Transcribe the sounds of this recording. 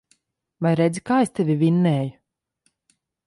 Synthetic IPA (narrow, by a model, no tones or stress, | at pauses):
vajɾɛd̪zʲikaːest̪ɛvʲivʲinːɛːju